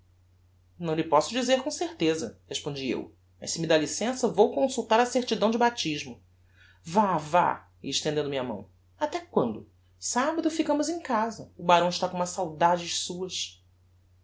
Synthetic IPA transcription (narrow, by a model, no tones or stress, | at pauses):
nɐ̃w̃lɪpɔsʊd͡ʒizeɾkõseɾt̪ezɐ̰heʃpõd͡ʒiḛw | mɐ̰ʃsɪmid̪alisẽsɐvowkõsuwt̪aɾɐseɾt͡ʃid̪ɐ̃w̃d͡ʒɪbat͡ʃiʒmʊ | vava̰ | iɪʃt̪ẽnd̪ẽnd̪ʊmiamɐ̰̃w̃ | at̪ɛkwɐ̃nd̪ʊ | sabɐd̪ʊfikɐ̃mʊzẽkazɐʊbaɾɐ̃w̃ɪʃt̪akõũmɐsawd̪ad͡ʒɪʃsuɐs